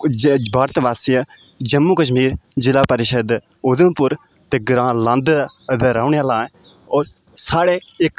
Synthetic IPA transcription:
baːɾt̪ʋaːsijə | d͡ʒəmːukəʃ̬miːɾd͡ʒɪlaːpəɾɪʃəd̪ | ʊd̪ə̃mpʊɾ | t̪eːɡɾãːlãnd̪d̪əɾaːʊneaːlãːẽ | ɔːɾ | saːɽeɪk

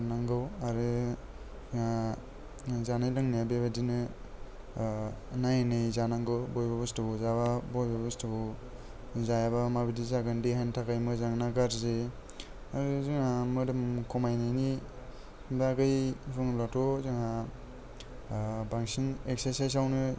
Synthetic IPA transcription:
naŋɡɯwaɾɯ | a | zanajlaŋniabebadinɯ | najnɯjzanaŋɡɯwbɔjbabustɯbuzaβabɔjbabustɯbɯ | zajabamabidizaɡɯndiɦantʰakajmɯzaŋnaɡaɾze | aɾɯzɯŋamɯdɯmkʰɔmajnajni | baɡɯjbɯŋlatʰɔzɯŋa | baŋsinek̚seɾsajs̬awnɯ

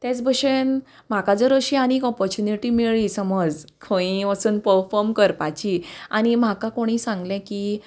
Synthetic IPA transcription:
t̪jet͡sbʱəɕen | m̤akad͡zəɾəɕiːañiːkɔpɔɾt͡ɕuniʈimiɭisəməd͡zkʰə̃ĩəsuːnpəɾfɔɾmkəɾpat͡ɕia̰ɽ̃im̤akakoɽ̃iːsãŋɡlɛ̃ki

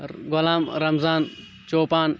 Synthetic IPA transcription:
ɡʊlaːmɾɐmzaːn | t͡ʃoːpaːn

